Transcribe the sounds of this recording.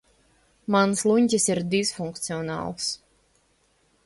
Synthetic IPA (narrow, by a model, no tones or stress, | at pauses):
manslˠuɲʲcʲisiɾd̪izfuŋkt̪siɔnɑ̰ːlˠs